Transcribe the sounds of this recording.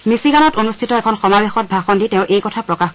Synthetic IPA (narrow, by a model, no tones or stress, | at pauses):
misiɡanɔtonustʰitɔɛkʰɔnxɔmabexɔt̚bʱaxɔnditɛ̃ʊ̃ʔejkɔtʰapɹɔkax